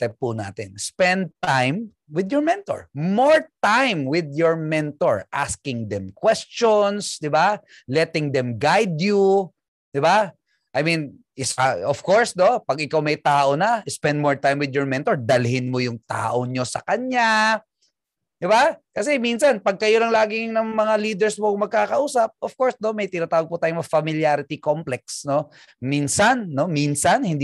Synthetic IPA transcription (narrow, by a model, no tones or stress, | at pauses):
t̪ɛp̚puna̰ːt̪ɪnspɛ̃nd̪̚t̪ajm | wɪd̪jɔɹmɛnt̪o̰ɹmoɹt̪ajmwɪd̪jɔɹmɛnt̪oɹʔa̰skɪŋd̪ɛmkwɛst͡ʃɔnsd̪ɪba | lɛt̪ɪŋd̪ɛmɡajd̪ju | d̪̥ɪba | ʔɐjmĩn | ʔɪsaɔfkɔɹsnopɐɡɪkawmɐjt̪aːʔonɐʔɪspɛnd̪̚moɹt̪ajmwɪd̪jɔɹmɛnt̪oɹd̪ɐlɦɪnmojʊŋt̪a̰ːʔoɲo̞sɐ̰kɐɲɲa | d̪̥ɪbakɐs̬ɛminsɐnpɐɡ̚kɐjolɐŋlaːɡɪŋnɐŋmɐŋaliːd̪ɛɹsmoŋmɐɡ̚kaːkɐʔuːsɐp̚ʔofkoɹsnomɐjt̪ɪnaːt̪aːwɐɡ̚pʊt̪aːjʊŋmɐfɐmɪljaɾɪt̪ikomplɛk̚sno̞ | minsɐnːo̞minsɐnhɪnd̪